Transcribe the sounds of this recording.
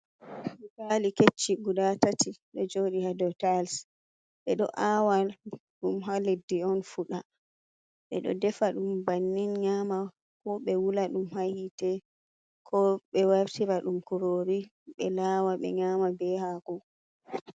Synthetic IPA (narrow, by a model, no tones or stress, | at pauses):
baliket͡ʃːiɡudatatiɗɔd͡ʒoːɗihadɔtals | ɓɛɗɔ̰ʔawalɗumɦaledːiɔnfuɗa | ɓɛ̰ɗɔ̰dɛfaɗumbanːinɲama | kɔɓɛwulaɗumhahitɛ | kʰɔɓɛwaɾtiɾaɗumkuɾoɾi | ɓɛ̰laːwaɓɛ̰ɲaːmabɛhakɔ